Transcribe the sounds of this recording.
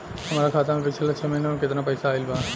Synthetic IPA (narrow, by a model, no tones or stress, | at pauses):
hɐmaːɾakʰaːt̪amẽpɪt͡ʃʰelat͡ʃʰemɐɦinemkɪt̪napɐjsaːilba